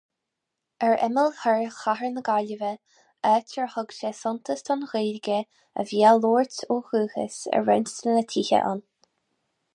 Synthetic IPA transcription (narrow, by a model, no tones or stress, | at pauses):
ɛɹɛ̰məlhɛɹxahəɹnəɡalʲəvə | ɛːtəɹhʊɡʃəsʊnt̪ʰəst̪ʰɔnɣelɡə | ə̰vjaloːɹtoːxuːhə̰sə̰ɹɛ̰nst̪ənət̪ʰiːhə̰ʔa̰n